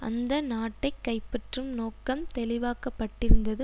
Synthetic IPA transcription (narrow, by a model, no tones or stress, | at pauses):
ʔɐ̰nd̪ɐnaːʈːɐɪkːɐɪpːɐʈrɯmnoːkɐmt̪ɛlɪʋaːkɐpːɐʈːɪɾɯnd̪ɐðɯ